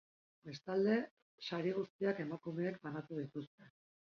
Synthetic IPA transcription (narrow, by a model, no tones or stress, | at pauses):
be̞st̪ald̪e̞ | saɾiɣ̞ust̪iake̞makume̞ːkbanat̪uð̞it̪ust̪e̞